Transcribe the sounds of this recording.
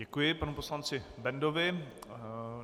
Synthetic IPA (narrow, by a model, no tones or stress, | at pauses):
ɛkujɪpanuposlant͡sɪbɛndovɪ